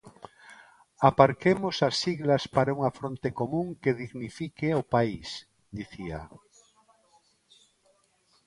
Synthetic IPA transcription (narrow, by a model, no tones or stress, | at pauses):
apaɾkemosasiɣlaspaɾauŋafɾont̪ekomũŋkeðiɣnifikeopais | d̪iθia̰